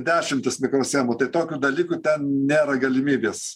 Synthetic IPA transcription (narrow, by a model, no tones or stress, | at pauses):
d̪ʲæːʃʲɪmʲt̪ʲɪsmʲɪkɾoːsʲæːmʊt̪ɐɪt̪oːkʲuːd̪ɐlʲiːkʊt̪ʲɛnnʲeːɾɐɡɐlʲɪmʲiːbʲeːs